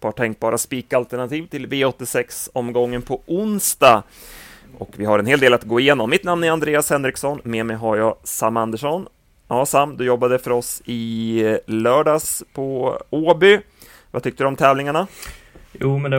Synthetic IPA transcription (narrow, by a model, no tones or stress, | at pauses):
pʰɑʈʰɛŋk̚bɑːɾʔaspiːkaalt̪əɳat̪ʰiːvt̪ʰɪlveːɔt̪ːɪsɛksɔmːɡɔŋːənpʰɔʔʊnst̪a | ʔɔkvɪɦaɾɛnheːld̪eːlat̪ɡoːɪjeːnɔmːɪt̪namnɛɾand̪ɾeːashɛnːɾɪksɔnmeːmɛjɦaɾjɑːsamːand̪əʂɔn | ɑːsamːd̪ɵjɔbːad̪əfœɾɔsɪ | lœːɖɑːspʰɔoːbʏ | vat̪ʏk̚t̪əd̪ɔmt̪ʰɛːvlɪŋaɳajuːmɛnd̪